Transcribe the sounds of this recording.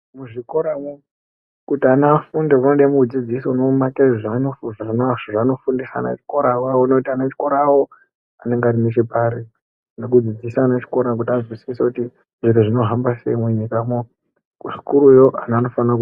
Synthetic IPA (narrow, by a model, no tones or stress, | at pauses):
muʐiko̞ɾamo | kutianafundeunoɗamukud͡zid͡zisonomakeʐiʐanofuʐanaʐano̞fundisa̰na̰t͡ʃi̥koɾawaunotianet͡ʃi̥ko̞ɾawo | ane̞ŋɡaːɾimet͡ʃepaɾe | nok̬ud͡zid͡zisanat͡ʃi̥ko̞ɾak̬utiaʐwisisekuti | ʐiɾuʐino̞ɦambase̞̰imweɲikamo | uʐi̥kuɾujoʔanano̞fanak